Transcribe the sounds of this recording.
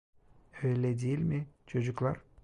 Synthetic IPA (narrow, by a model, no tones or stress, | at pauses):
øjlʲɛd̪ijilʲmɪt͡ʃʰod͡ʒuklˠaɾ